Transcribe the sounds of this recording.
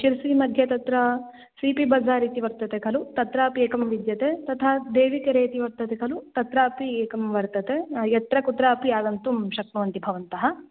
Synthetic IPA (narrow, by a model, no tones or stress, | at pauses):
ʃiɾsiːmɐd̪ʱjɐt̪ɐt̪ɾɐ | siːpibɐd͡zaːɾiːt̪iʋɐɾt̪ɐt̪ekʰɐlut̪ɐt̪ɾaːpieːkɐmʋid̪jɐt̪et̪ɐt̪ʰaːd̪eːʋikɐɾeːt̪iʋɐɾt̪ɐt̪ekʰɐlut̪ɐt̪ɾaːpieːkɐmʋɐɾt̪ɐt̪ejɐt̪ɾɐkut̪ɾaːpiaːd̪ɐnt̪umʃɐk̚nuʋɐnt̪ibʱɐʋɐnt̪ɐɦɐ